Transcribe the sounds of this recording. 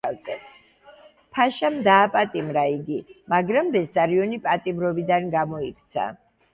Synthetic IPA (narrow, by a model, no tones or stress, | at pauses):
azʼɛ | pʰaʃamd̪aːpʼat̪ʼimɾaiɡimaɡɾambɛsaɾiɔnipʼat̪ʼimɾɔbid̪anɡamɔikʰt̪sʰa̰